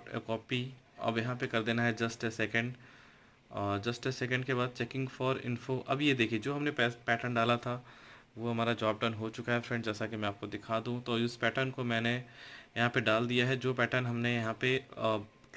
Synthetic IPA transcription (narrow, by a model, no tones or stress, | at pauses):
kɔːpiɐ̰bjɐɦãpekɐɾd̪eːnaɦɛd͡ʒɐsʈɛsɛkə̃ɳɖ | d͡ʒɐsʈɛsɛkə̃ɳɖkebaːd̪̚t͡ʃɛːkɪ̃ŋɡfɔːɾɪ̰̃nfoʔɐbjed̪eːkʰied͡ʒoːɦɐmneɛpɛːʈəɳɖaːlat̪ʰa | ʋoɦɐmaːɾad͡ʒaːb̚ɖɐːnɦot͡ʃʊkaɦɛfɾɛ̃ɳɖd͡ʒɛːsakemɛ̃aːp̚kod̪ɪkʰad̪ũt̪oːʊspɛːʈəɾnkomɛ̃ːnejɐɦãpeɖaːld̪ijaɦɛd͡ʒoːpɛːʈəɾnɦɐmnejɐɦãpe